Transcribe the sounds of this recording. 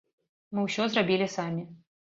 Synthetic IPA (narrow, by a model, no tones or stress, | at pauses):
mɨwsʲɔzrabʲilʲisamʲi